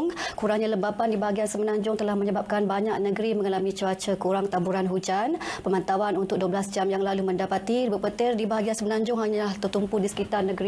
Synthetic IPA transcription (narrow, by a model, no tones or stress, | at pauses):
ŋkuɾaŋɲaləmbapandibaɦaɡiansəmənaɲd͡ʒʊŋt̪əlahməɲəbap̚kanbaɲak̚nəɡəɾiməŋalamit͡ʃuat͡ʃəkuɾaŋt̪ambuɾanɦud͡ʒanpəmant̪awanunt̪ʊk̚duablasd͡ʒamjaŋlaluməndapat̪ibəpət̪ɪrdibaɦaɡiansəmənaɲd͡ʒʊŋɦaɲalaht̪ət̪umpudisə̥kit̪arnəɡɾi